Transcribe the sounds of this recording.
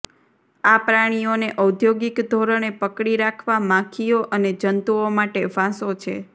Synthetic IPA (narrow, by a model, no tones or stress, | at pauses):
apɾaɽ̃ioneʔəwd̪ʱjoɡikd̪ʱoɾəɽ̃epəkɽiɾakʰʋamãkʰioʔəned͡ʒənt̪uomaʈeʋãsot͡ʃʰḛ